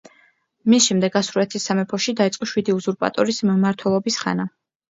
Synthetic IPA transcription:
misʃɛmd̪ɛɡasuɾulɛt̪ʰisːamɛpʰɔʃid̪ait̪sʼqʼɔʃwid̪iuzuɾpʼa̰t̪ʼɔɾismmaɾt̪ʰwɛlˠɔbisχa̰na

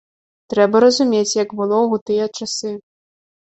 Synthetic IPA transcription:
t̪ɾɛbɐɾɐzumʲet͡sʲjɐɡbɨlˠɔɣut̪ɨjɐt͡ʂasɨ

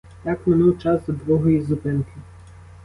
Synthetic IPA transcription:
j̪akmɪnuwt͡ʃazɐd̪ʋɔɦɔjizʊpɪnkɪ

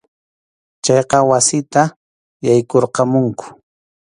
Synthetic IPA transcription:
t͡ʃɑjqɑwasɪt̪a | jajkoɾqɑmʊŋkʊ̥

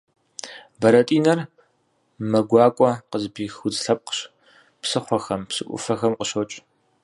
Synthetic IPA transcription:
bɐɾɐtʼiːnɐr | mɐɡʷɑːkʷʼɔqəzbiːxʊzɬɐp̚qə̥ɕ | psɨχʷɔxɐmpsɨʔʷʊ̰fɐxɐmqəʃot͡ʃʼ

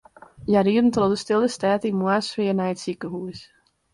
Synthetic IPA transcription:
jaɾiədn̩trodəstɪlˠdəstaːtimwasʋɪːənajətsikəɦuəs

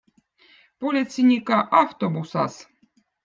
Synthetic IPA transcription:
polʲit̪sʲinʲikaʔaft̪obusɑ̰s

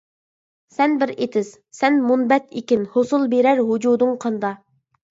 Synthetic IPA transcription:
sɛnbɪɾet̪ʰɪz̥ | sɛnmunbɛt̪ʰikʲɪnhosulˠbeɾæɾɦud͡ʒud̪ʊŋqʰɑnd̪ɑ

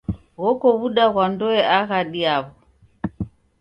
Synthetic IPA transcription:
ɣɔkɔβuɗaɣwandɔɛʔaɣaɗiaβɔ

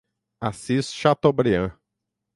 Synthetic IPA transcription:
asisʃat̪obɾiɐ̃

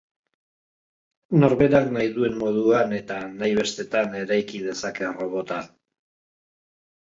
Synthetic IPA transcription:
no̞ɾβe̞ɾaknajðue̞nmo̞ð̞uane̞t̪anajβe̞st̪e̞t̪ane̞ɾajkið̞e̞sake̞ro̞βo̞t̪a

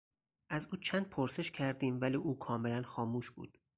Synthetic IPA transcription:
ʔæzuːt͡ʃʰæːnd̪̚pʰoɾse̞ʃcʰæɾd̪iːmvæliːʔuːkʰɒːme̞lænxɒːmuːʃbṵːd̪̥

